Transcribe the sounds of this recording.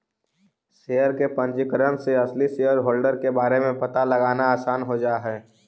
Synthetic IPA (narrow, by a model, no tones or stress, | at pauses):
sejəɾkepə̃nd͡ʒɪkɾənseɐslisejəɾɦoːlɖəɾkebaːɾemẽpɐt̪alɐɡaːnaaːsaːnɦod͡ʒaːɦɛː